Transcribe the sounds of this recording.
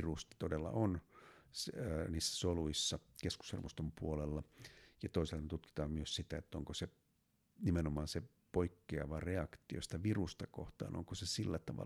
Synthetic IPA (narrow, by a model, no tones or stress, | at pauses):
rust̪ɑ̥t̪odelːɑ̰ʔonsniːsːæ̥soluisːɑkesku̥shḛrmust̪ompuolelːɑjɑt̪oiselːɑnet̪ut̪ki̥t̪ɑːmmyøssit̪æet̪ːoŋkose | nimenomɑːnse | poikːeɑʋɑreɑkt̪io̰si̥t̪æʋirust̪ɑko̰ht̪ɑ̰ːno̰ŋkosesilːæt̪ɑʋɑ̰